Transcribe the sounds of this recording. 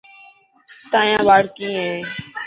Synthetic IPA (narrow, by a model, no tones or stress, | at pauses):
t̪ãːjãːʋaːɽkĩːɦẽː